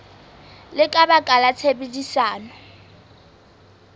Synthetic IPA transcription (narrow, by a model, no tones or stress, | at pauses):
lɪkʼabakʼalat͡sʰebedisaːnɔ